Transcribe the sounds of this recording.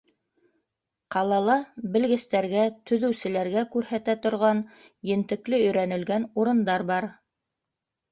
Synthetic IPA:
qɑlˠɑlˠɑbɘ̆lɡɘ̆st̪æɾɡæt̪ɵ̆ðɘ̆wsɘ̆læɾɡækʉɾhæt̪æt̪ŏɾʁɑn | jɘ̆nt̪ɘ̆klɘɵ̆jɾænɘ̆lɡænuɾɤ̆nd̪ɑɾbɑɾ

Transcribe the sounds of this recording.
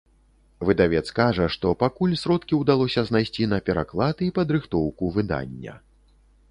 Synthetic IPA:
vɨd̪avʲɛt̪skaʐɐʂt̪ɔpakulʲsɾɔt̪kʲiwd̪alˠɔsʲɐznajsʲt͡sʲinɐpʲɛɾa̰klˠad̪ɨipɐd̪ɾɨxt̪ɔwkuvɨd̪a̰nʲːɐ̰

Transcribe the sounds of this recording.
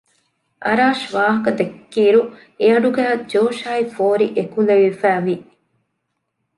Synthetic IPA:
ʔɐ̰ɾaːʃʋaːɦɐkɐd̪ekːiːɾu | eɐɖuɡæːd͡ʒoːʃaːifoːɾiʔekuleʋifæːʋi

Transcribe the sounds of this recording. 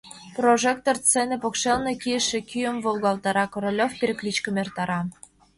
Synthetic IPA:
proʒek̚t̪ort͡senĕpokʃelnekijəʃĕkyjə̆mvolˠɣɑlt̪ɑɾɑkoɾolʲofpiɾʲɘ̆klʲit͡ɕkə̆mert̪ɑɾɑ

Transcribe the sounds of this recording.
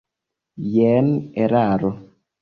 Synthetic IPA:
jɛnɛɾaɾɔ

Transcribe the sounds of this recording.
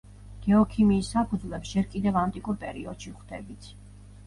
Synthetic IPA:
ɡ̥ɛɔkʰimiːsːapʰud̪zlɛpsd͡ʒɛɾkʼid̪ɛvant̪ʼikʼuɾpʼɛɾiɔd̪̥ʃiχd̪̥ɛbit̪sʰ

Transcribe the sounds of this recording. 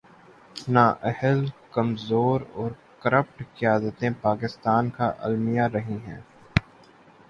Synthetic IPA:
naːʔɛhəlkɐmzoːɾɔːɾkəɾəp̚ʈkɪjaːd̪ət̪ẽpaːkɪst̪aːnkaʔɐ̰lmɪjaɾɐɦĩɦɛ̰̃ː

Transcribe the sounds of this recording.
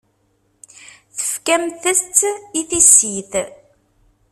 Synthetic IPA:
θə̥fkæmθəst͡s̪ːiθisiθ

